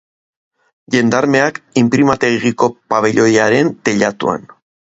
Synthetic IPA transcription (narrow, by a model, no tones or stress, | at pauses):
ʎe̞nd̪aɾme̞akimpɾimat̪eɣɣiko̞paβe̞ʎo̞jaɾe̞nt̪e̞ʎat̪ṵa̰n